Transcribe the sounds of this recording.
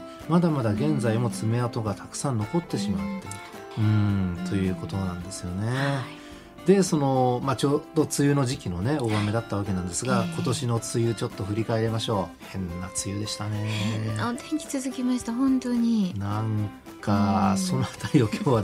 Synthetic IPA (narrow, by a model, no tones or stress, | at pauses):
mad̪amad̪aɡẽ̞nd͡zaimo̞t͡sɨme̞at̪oɡat̪ʰḁkɯ̟̥sãnːo̞ko̞t̪ːe̞ɕimat̪ːe̞ | ɯ̟̃ɴt̪o̞jɯ̟ːko̞t̪o̞nãnd̪e̞sɨjo̞ne̞ | d̪̥e̞so̞no̞mat͡ɕoːd̪o̞t͡sɨjɯ̟ːno̞ʑikʲino̞ne̞o̞βame̞d̪at̪ːaβ̞akenãnd̪e̞sɨɡako̞t̪o̞ɕino̞t͡sɨjɯ̟t͡ɕo̞t̪ːo̞ɸɯ̟ɾʲikae̞ɾe̞maɕo̞ː | hẽ̞nːat͡sɨjɯ̟ːd̪e̞ɕi̥t̪ane̞t̪ẽŋkʲi̥t͡sɨzɨkʲimaɕi̥t̪aɦõnt̪oɲ̟inãŋ | kkaso̞not̪ajo̞kʲʰoːβa